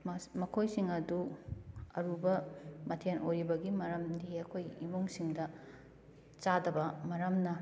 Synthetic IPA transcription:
mɐkʰojsiŋɐdu | ɐɾubɐmɐtʰenojɾibɐɡimɐɾɐmdiɐkʰojimuŋsiŋdɐ | t͡ʃadɐbɐmɐɾɐmnɐ

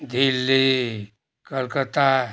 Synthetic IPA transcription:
d̪ʱilːi | kəlkət̪a

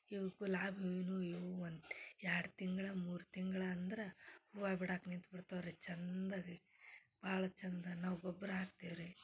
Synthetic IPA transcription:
iʋɐɡulaːbʱenuiʋuond̪aːɽt̪iŋɡɐɭɐmuːɾt̪iŋɡɐɭɐːnd̪ɐɾɐuʋaːbiɽaːknint̪biɽt̪aːʋɾet͡ʃɐnd̪ɐɡi | b̥aːɭɐt͡ʃɐnd̪ɐnaːʋɡɔbːɐɾɐɦaːk̚t̪iːʋɾi

